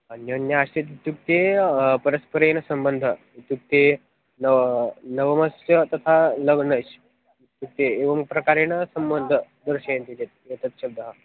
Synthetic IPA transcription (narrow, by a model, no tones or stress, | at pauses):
ənjənjəast̪et̪t̪uk̚t̪epəɾəspəɾensəmbənd̪ʱə | t̪uk̚t̪e | nəʋnəʋəməsjət̪ɐt̪ʰaləɡnəɕ | t̪uk̚t̪eːʋəmpɾɐkaɾenəsəmbənd̪ʱə | d̪əɾɕent̪it̪et̪̚et̪ət̪ɕəb̚d̪əɦa